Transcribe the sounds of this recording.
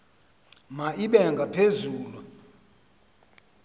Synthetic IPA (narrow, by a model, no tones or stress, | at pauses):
maʔiɓɛŋɡʱapʰezuːlu